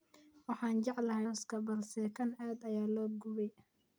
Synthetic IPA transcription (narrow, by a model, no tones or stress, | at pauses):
wɑħɑːnt͡ʃɑʕlɐɦɛskʰɐbɐlsɛkʰɐnaːd̪ɐjaːlɔːɡʊβɛj